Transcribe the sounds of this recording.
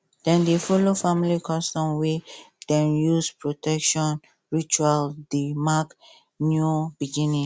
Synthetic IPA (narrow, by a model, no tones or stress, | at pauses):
d̥ɛ̃ndefɔlofamilikʰɔstɔ̃mwed̥ɛ̃njuspɹotɛkʃɔ̃n | ɹit͡ʃualdimak | njubiɡĩnĩ